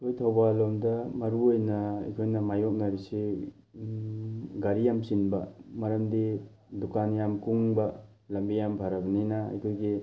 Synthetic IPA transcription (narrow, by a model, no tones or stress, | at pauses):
tojtʰawbalomdɐmɐɾuojnɐɐjkʰojnɐmajok̚nɐɾisi | ɡaɾijamsinbɐmɐɾɐmdi | dukanjamkuŋbɐ | lɐmbijambʱaɾɐbɐninɐɐ̰jkʰojɡi